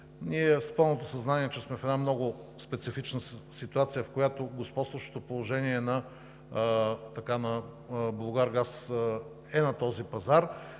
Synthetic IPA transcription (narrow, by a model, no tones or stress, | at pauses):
niɛspəlˠnot̪osɐznaniɛt͡ʃɛsmɛfɛd̪amnɔɡʊspɛt̪sifit͡ʃnəsit̪uat̪sijəfkojat̪oɡospɔt̪st̪vəʃt̪o̥t̪opolˠoʒɛniɛnɐ | t̪ɐkanɐ | blˠoɡaɾɡas | ɛnɐt̪ɔzipɐzaɾ